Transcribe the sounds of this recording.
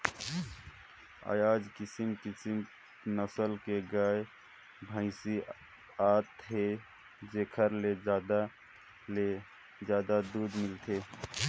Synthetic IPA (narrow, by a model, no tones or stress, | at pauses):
a̰ːjaːd͡ʒkɪsimkɪsɪm | nəsəlkeɡaːe | bʱə̃ɪsi | aːt̪ɦe | d͡ʒeːkʰəɾled͡ʒd̪a | le | d͡ʒjaːd̪ad̪uːd̪mɪlt̪ʰeː